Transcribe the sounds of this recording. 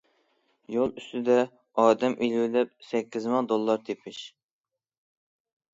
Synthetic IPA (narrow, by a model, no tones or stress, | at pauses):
jolˠyst̪ɪd̪ɛ | ɑːd̪ɛmʔilwɪlɛp̚sɛkʲːizmɑd̪olˠːɑɾt̪ʰepʰɪʃ